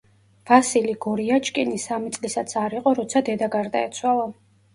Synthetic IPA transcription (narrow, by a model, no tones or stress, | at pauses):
v̥asiliɡɔɾiat͡ʃʰʼkʼinisamit̪sʼlisat̪sʰaɾiqʼɔɾɔt̪sʰad̪ɛd̪aɡaɾd̪aɛt̪sʰwalˠa